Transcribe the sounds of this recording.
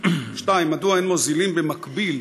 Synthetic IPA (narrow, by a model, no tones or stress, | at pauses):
ʃtaimːad̪uaenmozilimbemakbil